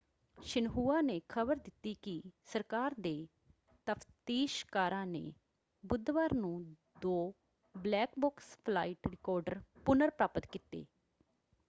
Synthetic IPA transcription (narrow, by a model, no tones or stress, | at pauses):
ʃɪnɦuːaːneːkʰəbəɾd̪ɪt̪ːiːkɪsəɾkaːɾd̪eː | t̪əfʰt̪iːʃkaːɾãːnḛː | bʊd̪ʋaːɾnũː | d̪oː | blɛːkbɔːkspʰlaːɪʈɾɪkɔːɾɖəɾpʊnəɾpɾaːpət̪kit̪ḛː